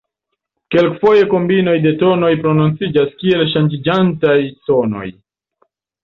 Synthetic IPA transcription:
ke̞lkfo̞je̞ko̞mbino̞jde̞to̞no̞jpɾo̞nont͡sid͡ʒaskie̞lʃand͡ʒid͡ʒantajso̞no̞̰j

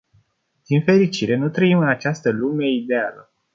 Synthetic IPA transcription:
d̪̥infe̞ɾit͡ʃiɾe̞nut̪ɾəimɨnat͡ʃast̪əlume̞id̪e̞alə

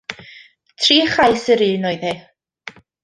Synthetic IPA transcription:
tʰriːχajsəɾiːnɔjðe

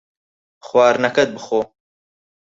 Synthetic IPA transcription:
χwɑːɾnɐkɐd̪̚bɨχoː

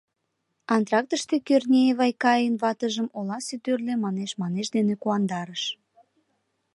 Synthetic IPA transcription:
ɑnt̪ɾɑk̚t̪əʃt̪ekørnʲeβɑjkɑjənβɑt̪əʒəmolɑsyt̪ørlemɑneʃmɑneʃd̪enekuɑnd̪ɑɾəʃ

